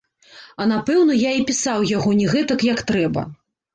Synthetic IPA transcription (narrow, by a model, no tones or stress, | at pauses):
ɐnapɛwnɐjaipʲisawjaɣɔnʲɛɣɛt̪ɐkjɐkt̪ɾɛbɐ̰